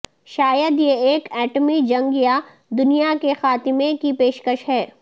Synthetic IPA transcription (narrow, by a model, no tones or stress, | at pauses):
ʃaːjəd̪jeeːkɛːʈmid͡ʒɐ̃ŋɡja | d̪ʊnijakexaːt̪ɪmẽkipeːʃkəʃɦɛː